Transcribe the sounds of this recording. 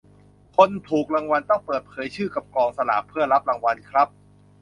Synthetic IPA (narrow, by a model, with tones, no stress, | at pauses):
kʰo˧nt̪ʰuː˨˩k̚ɾa˧ŋwa˧nt̪ɔ˥˩ŋpɤː˨˩t̪̚pʰɤː˩˦jt͡ɕʰɯː˥˩ka˨˩p̚klɔː˧ŋsa˧la̰ː˩˦pʰːɯ˥˩ɐɾa˦˥p̚ɾa˧ŋwa˧nkʰɾa˦˥p̚